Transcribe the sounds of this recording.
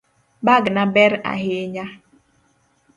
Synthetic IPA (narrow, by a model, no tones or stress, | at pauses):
baɡnabɛɾa̰heɲa